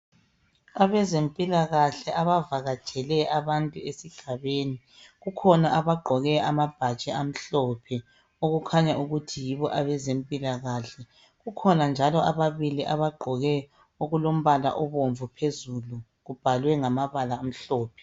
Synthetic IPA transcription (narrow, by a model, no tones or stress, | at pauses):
aβɛzempʼilaɣaɬɛʔaβavaɣat͡ʃʼɛlɛaβantʼuesiɡ̥ʱaβeːni | ɣukʰɔnaʔaβaɡ͡ǃʱɔɣɛamab̥ʱḁt͡ʃʼɛam̩ɬɔpʰɛ | oɣukʰaɲaʔuɣutʰijiβɔʔaβɛzempʼilaɣaɬɛ | ɣukʰɔnand͡ʒʱalɔʔaβaβiliʔaβaɡ͡ǃʱɔɣɛ | oɣulom̩βala̰ʔɔβoɱvupʰezulu | ɣub̥ʱalwɛŋamaβalaːm̩ɬɔːpʰɛ̥